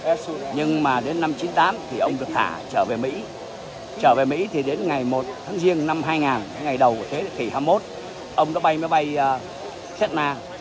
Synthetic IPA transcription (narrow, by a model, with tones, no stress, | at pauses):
ɲɨ˧ŋmaː˨˩ɗe˨˦nːa˧mt͡ɕi˨˦nt̪aː˨˦mt̪ʰi˨˩ʔə˧wŋ͡mɗɨ˨˩ək̚t̪ʰa̰ː˧˩t͡ɕəː˧˩ve˨˩mḭ˧˥ | t͡ɕəː˧˩ve˨˩mḭ˧˥t̪ʰi˨˩ɗe˨˦nŋa˨˩jmo˨˩t̚t̪ʰaː˨˦ŋzi˧əŋna˧mɦaː˧jŋaː˨˩n˨˦ŋa˨˩jɗə˨˩wku˧˩ət̪ʰe˨˦ki˧˩haː˧mo˦˥t̚ | ʔə˧wŋ͡mnɔ˨˦˥ɓa˧jmaː˨˦jɓa˧j | sɛ˦˥t̚naː˧